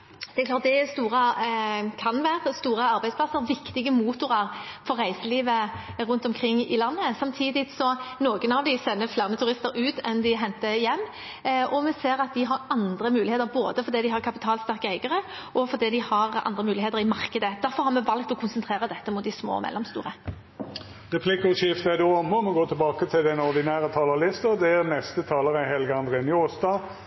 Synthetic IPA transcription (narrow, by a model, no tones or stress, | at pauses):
d̪̥ɛæɛklɑːɾt̪̚d̪ɛst̪uːʁə | kʰɑnʋæːɾəst̪uːʁəɑɾbæɪsplɑsːəɾʋɪkt̪ɪɡəmuːt̪ʊɾɑɾfɔɾːæɪsəliːʋəɾʉnt̪ɔmkʰʁɪŋːɪlɑnːəsɑmt̪ʰiːd̪ɪsɔnoːɡənɑʋd̪ɪsɛnːəflæːʁnət̪ʰʉɾɪst̪əɾʉːt̪ɛnd̪ɪɦɛnt̪əjɛmː | ʔɔmɛseːɾɑt̪̚d̪ɪɦɑɾɑnd̪ɾəmʉːlɪeːt̪əɾboːd̪əfɔɾd̪iːd̪ɪhɑʁkʰɑpɪt̪ʰɑːlst̪æʁkəæɪɡəʁə | ʔɔfɔɾd̪iːd̪ɪhɑɾɑ̰nd̪ʁəmʉːlɪheːt̪əɾɪmɑɾkəd̪əd̪̥æɾfɔɾhɑɾmɛʋɑlk̚t̪ɔkʰʊnsənt̪ʰʁeːʁəd̪ɛt̪ːəmʊt̪̚d̪ɪsmo̰ːmɛ̰lːɔmst̪ṵːʁə | ʁɛpʰlɪkʊʃɪft̪æd̪uɔmɔmɛɡoːt̪ʰɪlbɑːkət̪ʰɪld̪ɛnɔɾd̪ɪnæːɾət̪ʰɑːləɾlɪst̪əd̪ɛæɾnɛst̪ət̪ʰɑːləɾɛɦɛlɡəɑnd̪ʁeːnɪɔːsd̪ɑː